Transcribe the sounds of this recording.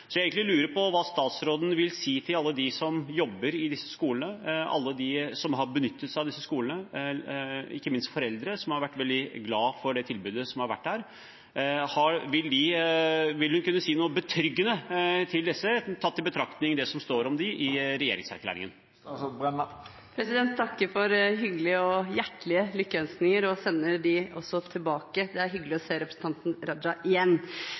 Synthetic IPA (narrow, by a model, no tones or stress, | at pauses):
sɔjæeɡŋk̪ɪlʉːɾəpʰɔʋɑːst̪ɑːt̪sɾoːd̪n̩ʋɪlsiːt̪ʰɪlɑlːəd̪ɪsɔmjɔbːəɾɪd̪ɪsːə̥skuːlənəʔɑ̰lːəd̪ɪsɔmɦɑɾbənʏt̪ːət̪sæɑʋd̪ɪsːəskuːlənə | ɪ̰kːəmɪnst̪fɔɾɛld̪ɾəsɔmhɑɾʋæʈːʋɛld̪ɪɡlɑːfɔɖɛt̪ʰɪlbʉːd̪əsɔmhɑɾʋæ̰ʈːdæːɾ | hɑɾʋɪld̪ɪ | ʋɪlhʉnkʉnːəsiːnuːəbət̪ʰɾʏɡːənət̪ʰɪld̪ɛsːət̪ʰɑt̪ːɪlbət̪ʰɾɑkt̪nɪŋd̪ɛsɔmst̪oːɾɔmd̪ɪʔɪɾɛjḛːɾɪ̰ŋsæɾkʰlæ̰ːɾɪ̰ŋə̰n | pʰɾɛsɪd̪ɛnt̪ʰt̪ʰːɑkːəɾfɔɾɦʏɡəlɪəɔjæʈːɭɪəlʏkːəœnsnɪŋəɾɔsɛnːəɖɪɔ̰sːɔt̪ʰɪlbɑːkəd̪ɛæɾɦʏɡəlɪɔseːɾɛpɾəsn̩t̪ʰɑnt̪n̩ɾɑd͡ʒɑʔɪjɛnː